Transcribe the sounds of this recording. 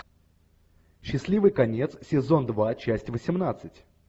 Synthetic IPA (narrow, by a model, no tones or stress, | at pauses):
ɕːɪsʲlʲivɨjkɐnʲe̞t̪ssʲɪzo̞nd̪vat͡ɕæsʲtʲvəsʲɪmnat̪sɨtʲ